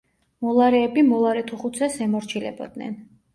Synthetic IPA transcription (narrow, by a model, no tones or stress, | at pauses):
mɔlˠaɾɛːbimɔlˠaɾɛt̪ʰuχut̪sʰɛsɛmɔɾt͡ʃʰilɛ̰bɔ̰d̪̚nɛ̰n